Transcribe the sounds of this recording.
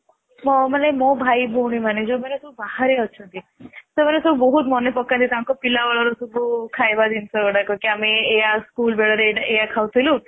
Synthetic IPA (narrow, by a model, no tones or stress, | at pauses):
mɔmənemɔ̃bʱaibʱowɳ̃imaned͡ʒomɛnesububaɦaɾeɔt͡ʃʰɔt̪it̪ɔmənesububɔɦut̪mɔnepɔkːat̪it̪ãŋkɔpilaʋaɭaɾusubʱukʰajbad̪insɔəɽakɔkiameːjaskuːlbeɭəɾeɖejakʰawt̪ʰilũ